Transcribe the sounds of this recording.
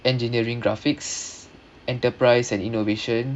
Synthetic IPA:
ɛ̃nd͡ʒiniəɹĩŋɡɹafiks | ʔɛ̃ntəpɹaɪsɛ̃ninoveʃə̃n

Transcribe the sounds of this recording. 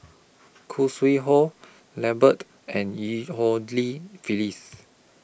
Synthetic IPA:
kʰuswiɦɔ | lɛbət | ɛ̃njihɔdlifilis

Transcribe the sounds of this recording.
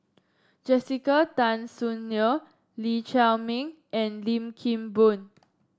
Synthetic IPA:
d͡ʒɛsikətãnsunjə | lit͡ʃɛlmĩŋ | ɛ̃nlĩmkʰĩmbũn

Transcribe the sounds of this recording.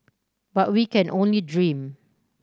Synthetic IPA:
bat̚wikɛ̃nʔõnlidɹĩm

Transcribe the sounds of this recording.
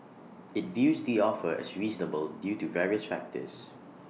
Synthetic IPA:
ɪtvjuːzdiɔfəɛ̰sɹiːznəbəldjuːtuvɛɹiəsfæ̰k̚tʰə̰s

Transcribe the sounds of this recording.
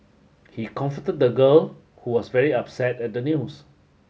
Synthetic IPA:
hikʰɔ̃ɱfətəd̚dəɡəl | huwɔsvɛɹiapsɛtɛt̚dənjus

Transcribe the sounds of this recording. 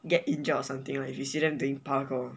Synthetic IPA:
ɡɛt̚ĩnd͡ʒɔɔsãmt̪ɪ̃ŋlajjisiɾɛ̃nduɪ̃ŋpakɔ

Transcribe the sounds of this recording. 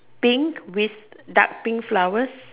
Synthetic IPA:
pĩŋkwiθda̰k̚pĩŋkflawəs

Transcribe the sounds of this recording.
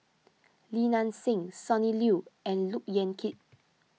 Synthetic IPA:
linãnsĩŋsɔniljuɛ̃nluk̚jɛ̃nkʰit̚

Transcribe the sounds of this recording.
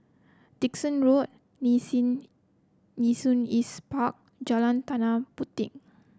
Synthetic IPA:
t̪ik̚sɔ̃nɹut̪̚ | nisunispak̚ | d͡ʒalãnt̪anãput̪ɪ̰ŋ

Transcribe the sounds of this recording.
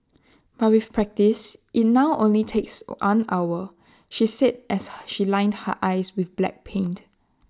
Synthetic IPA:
b̥at̚wifpʰɹɛk̚tisʔit̚naʊʔõ̰nlitʰekswã̰na̰wə | ʃisɛt̚ʔɛsʃilãɪ̃ndhə̰ʔaɪswɪθblɛ̰k̚pʰẽnt

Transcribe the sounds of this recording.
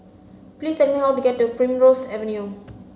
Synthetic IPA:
plisɛnmiɦawtuɡɛtːupɹĩmɹosɛvə̃nju

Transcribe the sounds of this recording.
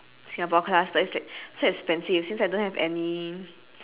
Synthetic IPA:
sĩabɔkʰlasdəislaɪk̚soɛkspɛ̃nsifsĩnsajdõnhɛvɛ̰ni

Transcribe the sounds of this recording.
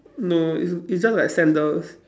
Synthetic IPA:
noḭsisd͡ʒaslaɪksɛ̃ndəls

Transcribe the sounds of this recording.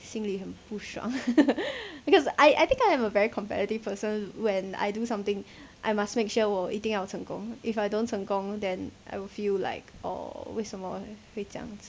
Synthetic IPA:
sĩŋlihɛ̃mpuʃɹã̰ŋ | b̥ikɔsaɪʔa̰jt̪ɪ̃ŋkaɪɛ̃məvɛɹikʰɔ̃mpɛ̰ɾitiv̥pʰəsə̃nwɛ̃na̰jdusãmt̪ɪ̃ŋʔajmasmekʃɔwəʔitɪ̃ŋawətsə̃ŋkɔ̰̃ŋifajdõnsʰə̃ŋkɔ̃ŋdɛ̃nʔa̰jwɪfilla̰ɪkʔɔ̰wesɔmɔ̰het͡ʃʰã̰ŋs

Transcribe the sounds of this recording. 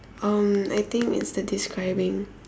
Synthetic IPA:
ʔʌ̃ma̰jt̪ɪ̃ŋkɪ̰tsdədiskɹaɪbɪ̃ŋ

